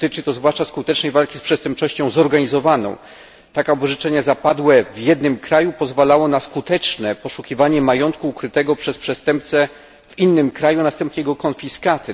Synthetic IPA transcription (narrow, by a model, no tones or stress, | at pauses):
t̪ɘt͡ʂɘt̪ɔzvwaʂt͡ʂaskut̪ɛt͡ʂnɛjvalkʲispʂɛst̪ɛmp̚t͡ʂɔɕt͡ɕɔ̃w̃zɔɾɡaɲizɔvanɔ̰̃w̃ | t̪akabɔʐɘt͡ʂɛɲazapad̪wɛvjɛd̪nɘmkɾajupɔzvalawɔnaskut̪ɛt͡ʂnɛpɔʂukʲivaɲɛmajɔnt̪̚kuːkɾɘt̪ɛɡɔpʂɛspʂɛst̪ɛmp̚t̪sɛ | vinːɘmkɾajunast̪ɛmpɲɛjɛɡɔkɔnfʲiskat̪ɘ